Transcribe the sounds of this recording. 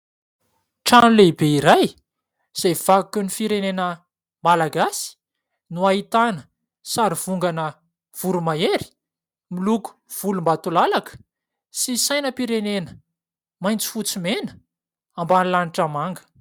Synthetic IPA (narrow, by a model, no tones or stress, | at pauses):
ʈ͡ʂanulebeiɾaj | z̥ev̥aukənifiɾenenə | malaɡasi̥ | nuaɦit̪anə | saɾiv̥uŋɡanə | v̥uɾumaeɾi̥ | miluku̥v̥ulumbat̪ulalakə̥ | sisajnəpiɾenenə | majnt͡si̥fut͡simenə̥ | ambanilaniʈ͡ʂamaŋɡə̥